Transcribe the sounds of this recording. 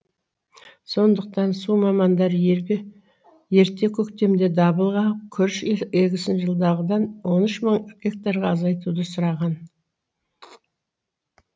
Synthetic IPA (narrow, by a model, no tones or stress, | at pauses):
so̞nd̪əq̚t̪ɑnsumɑmɑnd̪ɑɾeɾe | je̞ɾt̪e̞kʲʰɵkt̪e̞md̪e̞d̪ɑbəlˠʁɑkʲʰʏɾʃeɡʲɪsɪnʒəlˠd̪ɑʁəd̪ɑnwo̞nʏʃməɴɡʲek̚t̪aɾʁɑɑzɑjt̪ud̪əsʊɾɑʁɑn